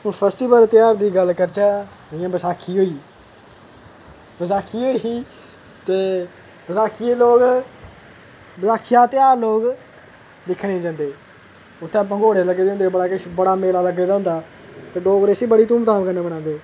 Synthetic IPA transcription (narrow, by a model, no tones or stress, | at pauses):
ʊpʰɛːsʈiːbəlt̪ɪjaːɾd̪iːɡəlkəɾt͡ʃaː | ɪjãːbəsaːkʰiːɦoːiː | bəsaːkʰiːɦoːiiː | t̪eː | bəsaːkʰieːloːɡ | bəzaːkʰɪjãːt̪ɪjaːɾloːk | d̪ɪkʰɽeːd͡ʒãːnd̪eː | ʊt̪ʰːẽːp̬ãːɡoːɽeləɡːeːd̪aɦʊ̃nd̪eːbəɽaːkɪʃbəɽaːmeːlaːləɡːeːd̪aːɦʊ̃nd̪aː | t̪eːɖoːɡɾesiːbəɽiːt̪ũːmt̪aːbkəneːbəɽãːnd̪eː